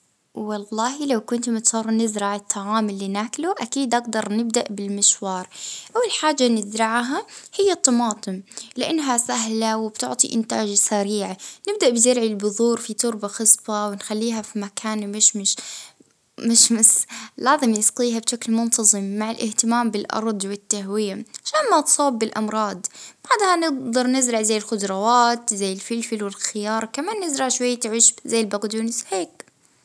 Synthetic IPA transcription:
wɑlːɑːɦilawkʊnt̪mɪt̪sˤɑɾˤnɪzɾɑʕɪt̪ˤʰːɑʕaːmɪlːiːnaːkluʔakiːd̪ʔaɡ̚d̪ɑɾˤnɪb̚d̪aʔbɪlmɪʃwɑːɾˤʔawːalħaːd͡ʒːanɪzɾɪʕɦahɪjːat̪ˤːɑmɑːt̪ˤɨmlɪʔanːɦasaɦlawɪbt̪ʊ̰ʕt̪ˤḭʔɪnt̪a̰ːd͡ʒsaɾiːʕnɪb̚d̪aʔbɪzɪɾʕilbʊðˤuːɾfit̪ˤʊɾbaxɨsˤbɑwɪnxalːiːɦafimakʰaːnmɪʃmɪʃ | mɪʃmɪslaːzɪmnɪsqiːɦabʃaklmʊnt̪ɑzˤɨmːaʕɪlʔɪht̪ɪmaːmbɪlʔɑ̰ɾˤd̪ˤwɪt̪ːaɦwɪjaʕaʃaːnmat̪sˤoːbːɪlʔɑmɾˤɑːd̪ˤb̥aʕd̪hanɪɡd̪ɑɾˤnɪzɾɪʕzajːɪlxʊd̪ɾˤɑwaːt̪zajːɪlfɪlfɪlwɪlxɪjɑːɾˤɑkamaːnːɪzɾɑʕʃwajːat̪ʕɪʃbzajːɪlbaɡd̪unɪsheːk̚

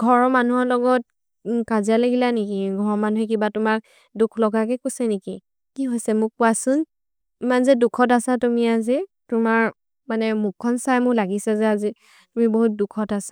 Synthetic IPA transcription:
ɡʱɔɹɔmanuɔlɔɡɔt̚ | kazialaɡilanekiɡʱɔɹɔmanuɦɛk̬ibatʊmak̚ | dukʰlɔɡakɛkojsɛneki | kiɦojsɛmʊk̚pʊasʊn | imanzɛdukʰɔt̬asatumiazi | tʊmaɹ | manɛmuk̚kʰːɔnsajmʊklaɡisɛzɛazi | tumiboɦut̚dukʰɔtasḁ

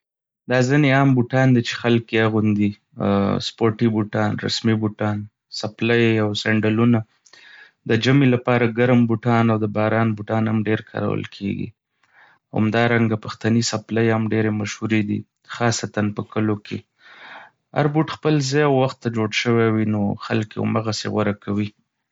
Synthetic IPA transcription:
d̪ɑzəneɑmbuʈɑnd̪it͡ʃe̥xalkeaɣund̪i | spoɾʈibuʈɑnɾa̰smibuʈɑn | saplajawsaɳɖaluna | d̪əd͡ʒamelapɑɾaɡaɾmbuʈɑnawd̪əbɑɾɑnbuʈɑnamɖeɾkʰɑ̰ɾa̰wə̰lkʰḛɡḭ | a̰md̪ɑɾaŋɡapaxt̪anisapləjamɖeɾemaʃhuɾed̪ḭ | xɑsat̪anpəkəlokʰe | a̰ɾbuʈxpəlzejawːaxt̪ːad͡ʒoɽʃəwawinoxa̰lkḛṵməɣasḛɣwaɾakʰawi

